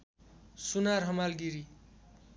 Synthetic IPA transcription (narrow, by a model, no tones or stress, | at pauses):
sunarɦʌmalɡiɾi